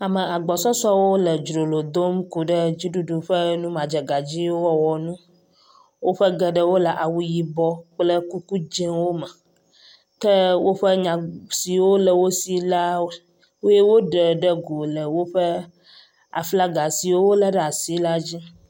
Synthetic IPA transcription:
a˨mə˨a˨ɡ͡bɔ˨sɔ˦sɔ˦wo˦lə˨d͡ʒɾo˨lo˨d̪o˦mku˨ɖə˦d͡ʑi˦ɖu˦ɖu˨ɸə˦nũ˦mã˨d͡ʒə˨ɡa˨d͡ʑi˦wo˦wɔ˦wɔ˨nũ˦ | wo˦ɸə˦ɡə˦ɖə˦wo˦la˨ʔa˨wu˦ji˦bɔ˦k͡plə˦ku˦ku˦d͡ʒɛ˦wo˦mə˨ | kə˦wo˦ɸə˦ɲã˨si˨wo˦lə˨wo˦si˦la˦ | wo˦je˦wo˦ɖə˨ɖə˦ɡu˨lə˨wo˦ɸə˦ | a̰˨fla˦ɡa˨si˨wo˦wo˦lə˦ɖə˦a˨si˦la˦d͡ʑi˦

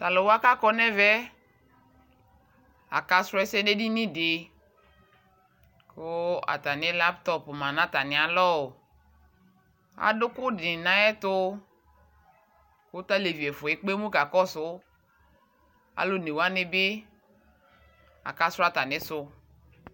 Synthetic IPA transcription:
t̪a˨lɔ˨wa˦ka˦kɔ˦nɛ˦vɛ˦ | a̰˨ka˦sɾʊ˦ɛ˦sɛ˦de˦di˦nĩ˦dɪ˨ | ko˦a̰˨t̪a˨nɪ˦la˦pt̪ɔ˦pmã˨nã˦t̪a˨nɪ̃˨a˨lɔ˦o˨ | a̰˨dʊ˦kʊ˦dɪ˨nã˦ɛ˦t̪ʊ˦ | kʊ˦t̪a˦le˨vi˨ɛ˨fʊ˨ɛ˦k͡pe˦mũ˦ka˨kɔ˦sʊ˦ | a̰˨lo˦ne˨wo˦a˦nɪ˦bɪ˦ | a̰˨ka˦sɾa˦t̪a˨nɪ̃˦sʊ˦

